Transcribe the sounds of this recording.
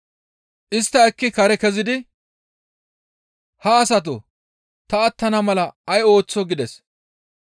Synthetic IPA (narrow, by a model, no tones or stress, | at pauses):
ʔɪst̪ːɐɛkːɪkɐɾɛkɛzɪd̪ɪ | hɐːsɐt̪̬ɔ | t̪ɐːt̪ːɐnɐmɐlɐːjo̞ːt͡sːɔɡɪd̪ɛs